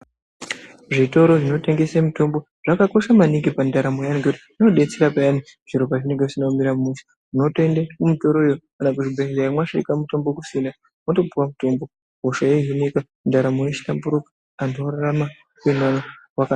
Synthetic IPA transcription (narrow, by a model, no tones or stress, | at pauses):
ʐito̞ɾo̞ʐino̞te̞ŋɡe̞semuto̞mbo̞ | ʐ̥akako̞ʃamanikipandaɾamojaniŋɡeuti | noɗe̞t͡seɾapajani | ʐ̥iɾopaʐine̞ŋɡeusinaumiɾamumuʃḁ | unotendekumito̞ɾoijokanakuʐibʱeizaamwaʃaḭkamuto̞mbo̞kusinda | mato̞buwamuto̞mbo | oʃajeɦinika | ndaɾamojet͡ʃi̥tambuɾukḁ | andoɾaɾama | kwinanawaka